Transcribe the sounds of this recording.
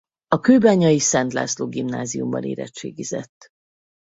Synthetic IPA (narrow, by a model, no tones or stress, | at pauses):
ɒkøːbaːɲɒjisɛnt̪la̰ːsloːɡimnaːzijumbɒ̰neːɾɛ̰t͡ʃːeːɡizɛt̪ː